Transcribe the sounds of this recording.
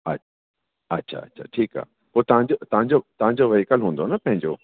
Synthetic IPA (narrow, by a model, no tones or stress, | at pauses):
ɐ̰ta | ɐtːɕʰa̰ɐ̰tːɕʰa̰ʈʰiːka̰ː | poːt̪ɐʋãɲd͡ʑot̪ɐʋãɲd͡ʑot̪ɐʋãɲd͡ʑoʋɐikəlɦũːn̆d̪onɐpɐ̃ɦɪ̃ɲd͡ʑo̰ː